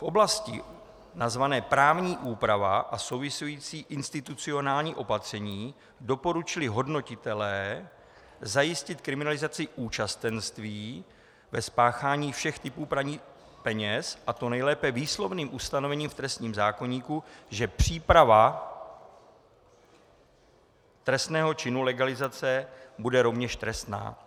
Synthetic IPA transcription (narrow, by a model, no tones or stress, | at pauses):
fʔo̞blascɪ̰ | nazvanɛːpɾaːvɲiːʔuːpɾavaʔaso̞wvɪsujiːt͡siːʔɪnst̪ɪt̪ut͡sɪo̞naːlɲiːʔo̞pat̪r̝̥ɛɲiː | do̞po̞ɾut͡ʃɪlɪɦo̞dno̞cɪt̪ɛlɛː | zajɪscɪt̪kɾɪmɪnalɪzat͡sɪʔuːt͡ʃast̪ɛnst̪viː | vɛspaːxaːɲiːfʃɛxt̪ɪpuːpɾaɲiː | pɛɲɛsʔat̪onɛjlɛːpɛviːslo̞vniːmʔust̪ano̞vɛɲiːmft̪ɾɛst̪ɲiːmzaːko̞ɲiːkuʒɛpr̝̥iːpɾava | t̪ɾɛst̪nɛːɦo̞t͡ʃɪnulɛɡalɪzat͡sɛbudɛɾo̞vɲɛʃt̪ɾɛst̪na̰ː